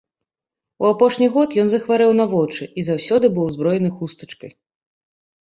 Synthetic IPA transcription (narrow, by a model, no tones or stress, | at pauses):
uapɔʂnʲiɣɔt̪jɔnzɐxvaɾɛwnɐvɔt͡ʂɨʔizawsʲɔd̪ɨbɨwzbɾɔjɛnɨxust̪ɐ̥t͡ʂkɐj